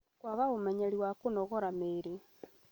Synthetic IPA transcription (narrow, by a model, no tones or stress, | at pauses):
kwaɣaomɛɲɛɾiwakonɔɣɔɾameːɾe